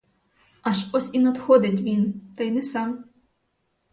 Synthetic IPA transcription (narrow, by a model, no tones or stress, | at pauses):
ɐʒɔsʲinɐd̪xɔd̪ɪt̬ʲʋʲint̪ɐjnɛsɑm